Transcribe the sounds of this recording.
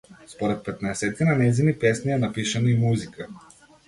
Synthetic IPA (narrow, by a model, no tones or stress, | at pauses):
spoɾɛt̪̚pɛt̪naɛsɛt̪ɛnanɛjzinipɛsniɛnapiʃɐnoimuzikə